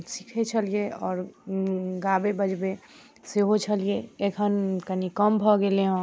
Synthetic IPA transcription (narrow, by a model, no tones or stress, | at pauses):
si̥kʰet͡ʃʰəlijeɔːɾ | ɡabebəd͡ʒbe | seɦot͡ʃʰəlijeekʰənkənikəmbʱɔɡeleɦõ